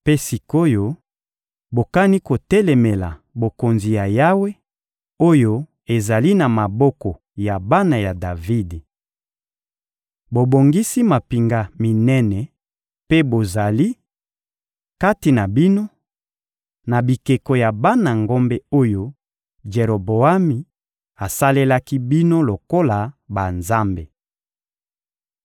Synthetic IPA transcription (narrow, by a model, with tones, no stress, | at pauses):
pe˦si˨ko˦jo˦ | bo˨ka˦ni˦ko˨tɛ˦lɛ˨me˨la̰˨bo˨ko˨nzi˨ja˨ja˦we˦ | o˦jo˦ | e˨za˨li˦na˨ma˨bɔ˦kɔ˨ | ja˨ba˦na˨ja˨da˨vi˦d | bo˨bo˨ŋɡi˦si˦ma˨pi˨ŋɡa˦mi˨nɛ˦nɛ˨ | pe˦bo˨za˨li˦ | ka˦ti˨na˨bi˦no˦ | na˨bi˨ke˨ko˨ja˨ba˦na˨ŋɡo˦mbe˦o˦jo˦ | d͡ʒe˨ʁo˨bo˨a˦mi˨ | a˨sa˦le˦la˦ki˦bi˦no˦lo˨ko˦la˨ba˨nza˦mbe˨